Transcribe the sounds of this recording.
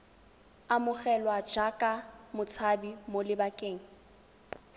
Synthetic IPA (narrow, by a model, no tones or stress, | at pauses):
amʊχɛlwḁd͡ʒakʼamʊt͡sʰabimolɪbakʼeːŋ̩